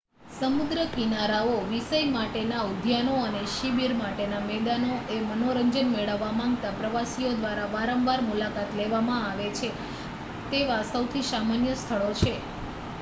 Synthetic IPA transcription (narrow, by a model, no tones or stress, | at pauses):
səmud̪ɾəkinaɾaoʋisəjmaʈenaud̪ʱjanoəneʃibiɾmaʈenamɛd̪anoʔemənoɾəɲd͡ʒənmeɭəʋːamãŋɡt̪apɾəʋasiod̪ʋaɾaʋaɾəmʋaɾmulakat̪leʋamãaʋet͡ʃʰe | t̪eʋasəwt̪ʰisamanjəst̪ʰəɭot͡ʃʰe